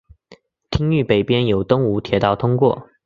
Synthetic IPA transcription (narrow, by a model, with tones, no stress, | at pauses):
t̪ʰi˥ŋy˥˩pe˨˩ɪpjɛ˥njo˨˩ʊt̪ʊ˥ŋu˧˥t̪ʰjɛ˨˧˥t̪ɑ˥˩ʊt̪ʰʊ˥ŋkwɔ̰˥˩